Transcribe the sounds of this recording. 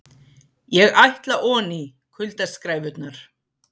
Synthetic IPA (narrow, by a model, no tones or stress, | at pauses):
jɛɣajht̪laʔɔːni | kʰʏlt̪askɾaːjvʏt̪naɾ̥